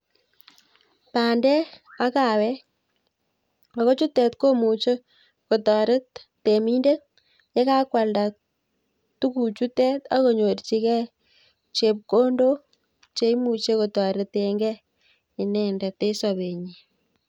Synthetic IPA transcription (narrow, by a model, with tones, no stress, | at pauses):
paː˨ndɛ˦a˦ka˨wɛ˦ | a˨ko˦t͡ʃu˦tːɛ˨t̪ko˦mu˨t͡ʃe˦ | ko˨tɔ˨ɾɪ˦tː | e˨mi˦nde˦ | ɲe˦ka˦kwa˨lda˨ | tu˦ku˨t͡ʃu˦tɛ˦ta˦ko˨ɲo˨ɾt͡ʃi˦kɛ˦ | t͡ʃe˨p̚ko˦ndo˦ | t͡ʃe˦i˦mu˨t͡ʃe˦ko˨tɔ˨ɾɪ˨t̪eŋɡɛ˦ | ɪ˨nɛ˨ndɛ˨te˦sɔ˨βe˨ɲi˨